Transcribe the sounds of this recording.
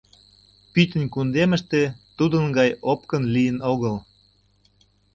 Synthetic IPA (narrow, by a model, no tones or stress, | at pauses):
pyt̪ʲə̆nʲkund̪eməʃt̪et̪ud̪ənɡɑjop̚kənlijənoɣəl